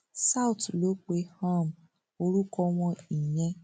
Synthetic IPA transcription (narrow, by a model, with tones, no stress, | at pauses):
sa˦u˨tlo˨˦k͡pe˧˦hã˦˨m | o˧ɾu˦kɔ˧w̃ɔ̃˧i˨j̃ɛ̃˧˦